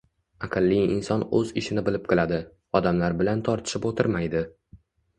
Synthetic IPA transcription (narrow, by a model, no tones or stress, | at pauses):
aqʰɨlˠːijɪnsɒnɵ̰zɪʃɪnɪbɪlɪp̚qʰɨlad̪ɪ | ɒd̪amlaɾbɪlant̪ʰɒɾt̪ʰɪ̥ʃɪpot̪ʰɪɾmajd̪ɪ